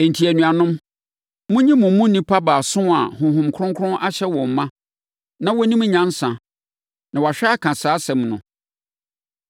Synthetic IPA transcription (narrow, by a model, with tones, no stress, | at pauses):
e˨n̩˨tʰi˨æ˨nũ˨a˨nʊ̃˦m | mʊ̃˦ɲĩ˦mʊ̃˨˦mũ˦nĩ˦pʰa˦baː˨sʊ̃˦a̰˨hʊ̃˨ɦʊ̃˨mkʰʊ˦ɾʊ̃˦ŋkʰʊ˦ɾʊ̃˦nʔa˦ɕɛ˦wɔ̃˨m˨mã˦ | nã˦wɔ˦nĩ˦m̃˦ɲã˦n˦sã˨ | nã˨wa˨ɕᶣɛ˦a˦kʰã˨saː˨˦sɛ̃˨mnʊ̰̃˨